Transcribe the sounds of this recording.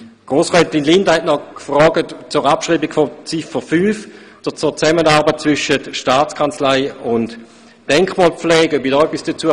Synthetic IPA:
ɡ̥ʁoːsʁɛtinlɪndɐhɛtnɔkfʁɔːɡətt͡sʊʁapʃʁiːbiɡfɔt͡sifəfyːf | d̥ot͡sʊːt͡sɛmənaːʁbət̚t͡svʏʃətʃtaːt͡skʰant͡slaɪʊnt | d̥ɛŋkχmɔːlp͡flɛːɡœbidɔːœpːisd̥ət͡suə

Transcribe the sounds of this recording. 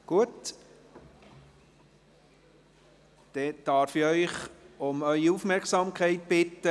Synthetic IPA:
ɡ̥uət | d̥ɛd̥ɑːɾfɪœʏχʊmœʏiufmɛrksɑmkʰɛɪt̚b̥ɪt̪ːə

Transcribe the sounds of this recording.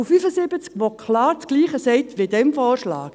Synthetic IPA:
fyfəsɪbət͡skʋokʰlɑːɾt͡sɡ̥liːχəsɛɪtʋedɛmfɔːɹʃlɑ̰ːk

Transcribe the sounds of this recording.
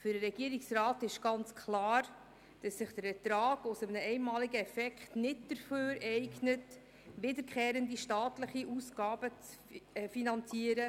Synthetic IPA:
fʏdəɾɛɡ̥iəɾiksrɑːtɪʃɡ̥ɑnt͡skʰlɑːɾ | d̥ɑsːɪχd̥əɾɛtɾɑːɡ̥ʊsəmənəɛɪnmɑːliɡəɛfɛkχtnɪtd̥əɾføːɾɛɪɡnət | ʋɪdəɾkʰχɛːɾəndiʃtɑːtləχiʔusɡ̥ɑːb̥ət͡s | ɛfinɑnt͡siəɾə

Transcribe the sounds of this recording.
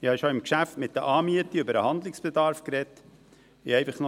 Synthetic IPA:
ɪhɑʃoɪmkʃæftmɪt̚d̥̪əʔɑːmiətiʉbəɾəhɑnd̪lɪksb̥ɛdɑɾfkɾɛt̪ | ɪɛɪfɑχno

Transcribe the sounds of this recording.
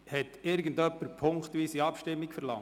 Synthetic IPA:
hɛtɪɾɡən̩dœpːəɾpʰʊŋkχt̪ʋiːsiɑpʃtɪmːikfɛɾlɑŋ

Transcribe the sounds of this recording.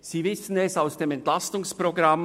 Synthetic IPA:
z̥iːvɪsən̩ɛsaʊsd̥eːmɛntlastʊŋspʁ̥oɡʁam

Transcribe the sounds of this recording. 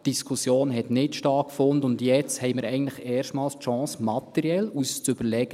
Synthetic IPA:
d̥iskʰusjoːnɦɛt̪nɪtʃtɑːkkfʊnd̪əʊndjɛt͡shɛɪmɪɾɛɪɡn̩tləχɛːʃtmɑːlstʃɑ̃ːsmɑt̪ɛɾiɛlust͡sʏb̥əɾlɛɡ̥ə

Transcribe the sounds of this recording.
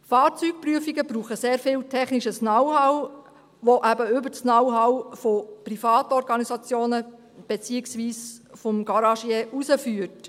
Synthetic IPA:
fɑːɾt͡syːk̚pryəfiɡəbɾuːχəseːɾfɪltʰɛχniʃəsnawhaw | ʋoʔæbəʏbəsnawɦawfoprifɑːtɔɾɡɑnisɑt͡sjoːnə | b̥et͡siːɪksʋiːsfɔmɡɑɾɑʃjeʔusəfyːət

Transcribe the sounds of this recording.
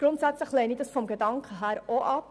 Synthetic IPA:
ɡ̥ɾʊntsæt͡sləχlɛnid̥ɑsfɔmɡedɑŋkʰəɦæːɾoʔɑp

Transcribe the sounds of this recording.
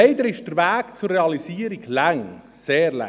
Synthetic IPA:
eɪd̪əɾɪʃd̥əɾvæːkt͡sʊrːeɑlisiːəɾiɡlaŋ | seːɾla̰

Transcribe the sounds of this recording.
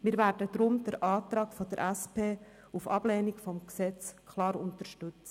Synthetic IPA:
mɪːɾvæːɾdəd̥ɾʊmd̥əɾʔɑːt̪ɾɑːɡfɔd̪əɾʔæspʰeː | ufɑb̥lɛːnikfɔmksɛt͡skʰlɑːɾʊntəʃtʏt͡s

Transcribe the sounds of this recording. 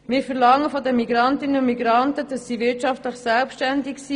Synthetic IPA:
mɪːɾfɛʁlɑŋəfɔdənmiɡɾɑntɪnəʊnmiɡɾɑntədɑsːiːʋɪɾtt͡ʃɑftləχsɛlpʃtɛndɪksiː

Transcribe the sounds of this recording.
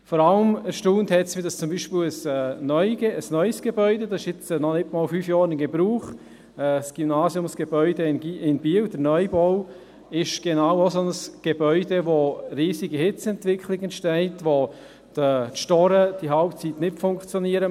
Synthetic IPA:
fɔɾaləməʃtuːnthɛtsʋɪdɑst͡sʊmbiːʃpɪləsɛnœʏ̥eəsnœʏsɡ̥ebœʏdedɑsɪʃɪt͡sːnɔnɪtmɔːlfyːfjɑːɾɪnɡebɾuːχ | ɛsɡ̥ymnaːsjʊmsɡ̥ebœʏdenɪnb̥iːəwd̥əɾnœʏbɔʊ | ɪʃɡ̥enaʊosonəsɡ̥ebœʏdeʋoɾiːsiɡiɦɪt͡sɛntvɪkʰlɪɡɛnʃtɛɪtʋo | d̥ətʃtɔɾəd̥iɦalpt͡sitnɪtfʊŋkχt͡sjɔniəɾə

